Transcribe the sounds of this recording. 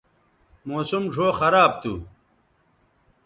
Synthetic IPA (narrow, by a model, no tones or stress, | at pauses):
moːsumʐʱoːxɐɾaːb̚t̪u